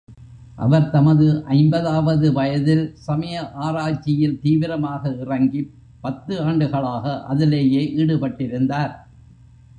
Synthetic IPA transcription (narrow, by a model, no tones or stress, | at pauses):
ʔɐ̰ʋɐɾt̪ɐmɐðɯʔɐɪmbɐðaːʋɐðɯʋɐjɐðɪlsɐmɐjɐʔaːɾaːt͡ʃːɪjɪlt̪iːʋɪɾɐmaːɣɐɪrɐŋɡi | pːɐt̪ːɯaːɳɖɯɣɐɭaːɣɐʔɐ̰ðɪleːjeːʔiːɽɯpɐʈːɪɾɯnd̪aːɾ